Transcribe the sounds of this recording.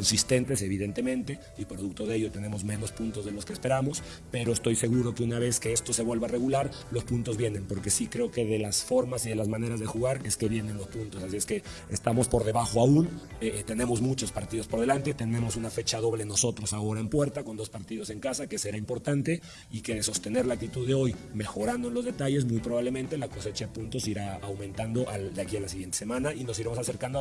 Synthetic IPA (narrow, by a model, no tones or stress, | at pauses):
konsist̪e̞nt̪e̞se̞β̞iðe̞nt̪e̞mẽ̞nt̪e̞ | ipɾoðuk̚t̪oðe̞ʝot̪e̞ne̞mo̞zmẽ̞no̞spunt̪o̞zðe̞lo̞skespe̞ɾamo̞s | pe̞ɾo̞est̪o̞jse̞ɣuɾo̞keunaβ̞e̞ske̞est̪o̞se̞βwe̞lβare̞ɣulaɾ | lo̞spunt̪o̞zβje̞nẽ̞mpo̞ɾke̞sikɾe̞oke̞ðe̞lasfo̞ɾmasiðe̞lazmane̞ɾazðexuɣaɾe̞ske̞βje̞nẽ̞nlo̞spunt̪o̞sasie̞ske̞est̪amo̞spo̞ɾðe̞βaxoaun | et̪e̞ne̞mo̞zmut͡ʃo̞spaɾt̪iðo̞spo̞ɾðe̞lant̪e̞t̪e̞ne̞mo̞sunafe̞t͡ʃaðo̞βle̞no̞so̞t̪ɾo̞sao̞ɾaempwe̞ɾt̪ako̞nd̪o̞spaɾt̪iðo̞se̞ŋkasake̞se̞ɾaimpo̞ɾt̪ant̪e̞ | ikeðso̞st̪e̞ne̞ɾlaːk̚t̪it̪uðeo̞jme̞xo̞ɾand̪oenlozðe̞t̪aʝe̞s̬mujpɾoβaβle̞mẽnt̪e̞lako̞se̞t͡ʃaðepũnt̪o̞siɾaawmẽ̞nt̪and̪o̞ʔald̪eakialasiɣje̞nt̪e̥semãnaʔino̞s̬iɾemosase̞ɾkand̪o